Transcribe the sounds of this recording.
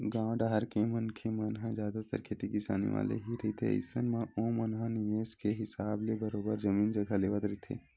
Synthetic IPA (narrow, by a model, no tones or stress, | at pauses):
ɡãːɖaɦɐɾkemɐnkʰemɐnɦãzjaːd̪at̪ə̰ɾkʰeːt̪ikɪsa̰ːnḭʋa̰ːlḛɦiɾɐɦit̪ʰḛə̰jsənmãõːmɐnɦãnɪʋeːskeɦɪsaːblebəɾoːbəɾd͡ʒɐmĩːnd͡ʒɐɡʱaleːʋət̪ɾɐit̪ʰḛː